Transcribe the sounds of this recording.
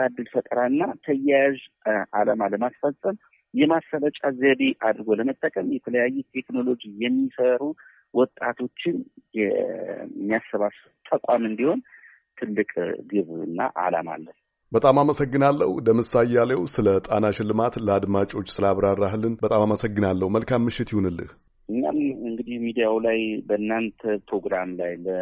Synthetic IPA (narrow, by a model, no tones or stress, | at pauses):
ad̪ːɨlfət̪ʼəɾaɨnːat̪ʰəjajʒʔalamaləmasfəlsʼəm | jɛmasələt͡ʃʼazəβeʔad̪ɨɾɡo̞ləmət̪ʼːəkʼəmjɛt̪ʰələjajːut̪ʰe̞kno̞lo̞d͡ʒijɛmːisəɾu | wɔt̪ʼat̪ʰo̞t͡ʃːɪnjɛ | mːijasɨβasut̪ʼəkʷʼamɨnd̪iho̞n | t̪ʰɨlːɨkʼɡɨβɨnːa̰ʔa̰la̰ma̰lːəh | bət̪ʼamaməsəɡːɨnalːəhuɨd̪əmɨsajalewsɨlət̪ʼanaʃɪlːɨmat̪ləad̪mat͡ʃʼo̞t͡ʃːsɨlaβɾarːaɦɨlːɨnbət̪ʼamaməsəɡːɨnalːəhuməlkʰamːɨʃːɪt̪jɪhunɨlːɨ̰h | ʔɨɲːa̰mɨŋɡɨd̪ihmid̪ijawlajbəɨnːant̪ʰəpɾo̞ɡɾamlajlə